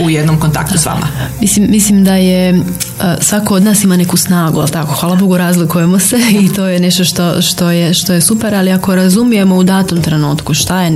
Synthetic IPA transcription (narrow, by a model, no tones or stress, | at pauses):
ujed̪nomkont̪a̰kt̪usʋa̰mʔa̰mislimːislimd̪aje | sʋakood̪naːsimane̞kusnaːɡuelˠt̪ako̞xʋaːlˠabo̞ɡoɾazlikuje̞mo̞se̞it̪o̞ːjene̞ʃt̪o̞ʃt̪o̞ʃt̪ojeʃt̪o̞jesupe̞ɾaliako̞ɾazumije̞mo̞ud̪aːt̪umt̪ɾe̞nuːt̪kuʃt̪aje